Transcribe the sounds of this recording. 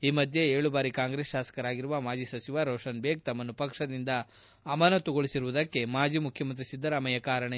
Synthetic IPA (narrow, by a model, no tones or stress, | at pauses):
iːmɐd̪ʱjeeːɭubaːɾikaːŋɡɾesʃaːsɐ̥kɐɾaːɡiɾuʋɐmaːd͡ʒisɐt͡ʃiʋaɾoːʂɐnbeːk̚t̪ɐmːɐnːupɐkʂɐd̪ind̪ɐː | mɐnɐt̪ɔɡoɭisiɾuʋud̪ɐkːe̞maːd͡ʒimukʰjɐmɐnt̪ɾisid̪ːɐɾaːmɐjɐkaːɾɐɳɐ